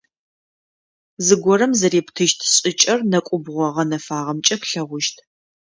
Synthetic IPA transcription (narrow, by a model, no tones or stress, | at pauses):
zɨɡʷɔɾɐmzɐɾeːptʰɨʃtʰɕʼɪt͡ʃʼɐrnɐkʷʼʊbʁʷɔʁɐnɐfaːʁɐmt͡ʃʼɐpɬɐʁʷʊʃtʰ